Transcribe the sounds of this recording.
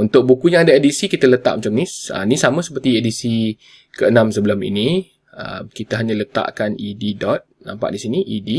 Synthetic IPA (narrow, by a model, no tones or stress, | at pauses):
unt̪ʊk̚bukujãŋadaedisikit̪ələt̪a̰ʔ̚mat͡ʃamnisə̰nisamə̃səpərt̪iedisi | kəənãmsəbələmḭni | ə̰mkit̪aɦaɲalət̪a̰ʔkanididɔt̪̚nã̰mpa̰ʔdisiniʔidi